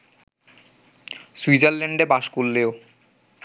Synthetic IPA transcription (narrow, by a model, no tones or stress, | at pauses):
suid͡ʑaɾleɳɖebaʃkulːeo